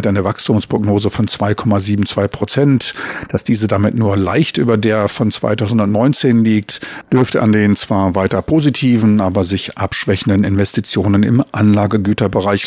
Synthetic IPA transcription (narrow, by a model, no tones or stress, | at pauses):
tʔaɪnəvakstʰuːmspʁ̥oɡnoːzəfɔnt͡sv̥aɪkʰɔmaziːbm̩t͡sv̥aɪpʁ̥ot͡sɛntd̥asd̥iːzədamɪtnuːɐla̰ɪçtʔy̰ːbɐdeːɐfɔnt͡sv̥a̰ɪtʰaʊzn̩dʊntnɔʏnt͡seːnliːk̚td̥ʏɐftəʔandeːnt͡sv̥aːɐvaɪtɐpʰoːzitʰiːvn̩ʔaːbɐzɪçʔapʃv̥ɛçn̩dənɪnvɛstit͡sjoːnənɪ̰mʔanlaːɡəɡyːtɐbəʁaɪç